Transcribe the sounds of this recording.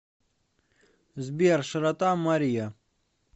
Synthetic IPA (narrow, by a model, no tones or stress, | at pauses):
zbiɾʂɾɐt̪aːmɐɾija